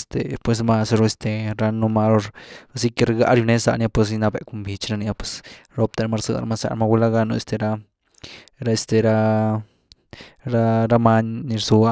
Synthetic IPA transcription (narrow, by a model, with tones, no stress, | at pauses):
st̪e˨pwe˧s̬ma˧sɾo˧e˧st̪e˧ɾa˧no˧ma˧lo˧ɾa˧si˧ke˧ɾɡa̰˧˦ɾju˧ne˦sa̰˧ʔnja˧pwe˧s̬i˧na˧be˧ku˧mbi˧t͡ʃɾa˧ni˧a˧pwe̥˧sɾo˦p̚t̪a˧ɾa˧ma˧ɾsɨ̰˧d̪a̰˨ɾa̰˧ma˧sa̰˧ɾma˧wu˧la˦ɡa˧no˧ḛ˧st̪e˧ɾa˧ | ɾa˧e˧st̪e˨ɾa˧ | ɾa˦ɾa˧ma˦ɲni˧ɾsu˧a˦